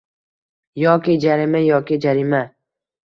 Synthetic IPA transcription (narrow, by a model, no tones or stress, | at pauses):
jɒːkʲɪd͡ʒaɾɪmajɒːkʲɪd͡ʒaɾɪma